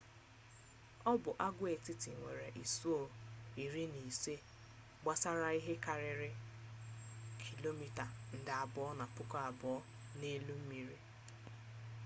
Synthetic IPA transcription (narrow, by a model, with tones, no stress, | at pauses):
ɔ˦bʊ˨ʔa˦ɡʷʊ˦e˨tɪ˦tɪ˨ŋʷe˨ɾe˨ʔi˨su˦o˦˨i˨ɾi˦ni˨se˦ | ɡ͡ba˦sa˦ɾa˦i˦ɦe˦ka˨ɾɪ˨ɾɪ˦ | kʰi˨lo˦mi˨ta˨n̩˨dɪ˨a˨bɔ˨˦ɔ˦na˨pʊ˦kɔ˦a˨bɔ˨ɔ˦ | ne˦lu˦m̩˦mi˨ɾi˦